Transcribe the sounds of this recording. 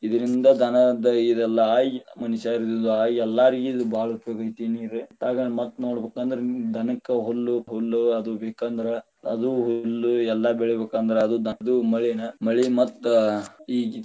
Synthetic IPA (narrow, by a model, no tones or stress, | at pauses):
id̪ɐɾind̪ɐd̪ʱɐnɐd̪ɐid̪ɛlːɐaːjmɐniʃaːɾid̪ud̪uaːjɛlːaːɾiɡid̪ubʱaːɭupjoːɡɐjt̪iniːɾet̪aːɡɐɭmɐt̪ːnoːɽbeːkaːnd̪ɐɾed̪ʱɐnɐkːɐɦolːuɦolːuɐd̪ubeːkand̪ɐɾe | ɐd̪uɦolːuɛlːɐbeɭɛbeːkaːnd̪ɐɾeɐd̪ud̪ʱɐd̪umɐɭinɐmɐɭimɐt̪ːuiːɡ